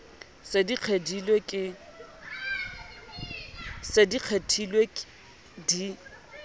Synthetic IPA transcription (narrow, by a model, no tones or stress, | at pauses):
sediq͡χʰedilwekʼɪ | sediq͡χʰetʰilwek | di